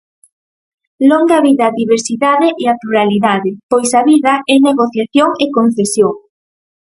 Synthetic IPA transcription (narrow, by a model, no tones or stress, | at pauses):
loŋɡaβiðaðiβeɾsiðaðɪʔeapluɾaliðaðɪpojsaβiðɐɛneɣoθjaθjoŋekonθesjoŋ